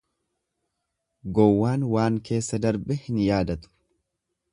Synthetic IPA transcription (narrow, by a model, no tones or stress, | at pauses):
ɡɔwːaːnwaːŋke̞ːsːɐd̪ɐɾbɛhɪnjaːd̪ɐt̪ʊ̥